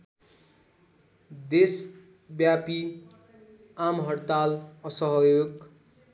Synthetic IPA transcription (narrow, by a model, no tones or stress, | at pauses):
d̪es | bjapi | amɦʌɽt̪alʌsʌɦʌjoɡ